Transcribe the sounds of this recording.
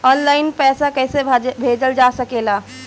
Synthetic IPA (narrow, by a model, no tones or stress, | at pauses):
ɔːnlaːɪnpɛːsakɛɦsebʱeːd͡ʒəld͡ʒasəkeːla